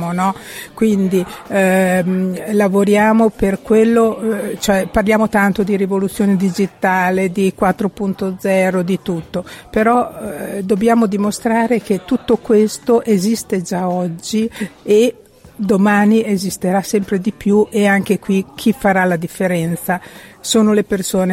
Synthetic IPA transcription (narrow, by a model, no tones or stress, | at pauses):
monɔkwind̪i | lavoɾjaːmoperkwelːot͡ʃoɛparljaːmot̪ant̪od̪iɾivolut̪sːjoːned̪id͡ʒit̪aːled̪ikwat̪ːɾopunt̪od̪zɛːɾod̪it̪ut̪ːopeɾɔd̪obːjaːmod̪imost̪ɾaːɾek̟et̪ːut̪ːokwest̪oʔezist̪ed͡ʒaɔd͡ʒːie | d̪omaːniezist̪eɾasɛmpɾed̪ipjuʔeaŋkekwik̟ʰifːaɾalad̪ifːeɾɛnt̪sasoːnolepersoːne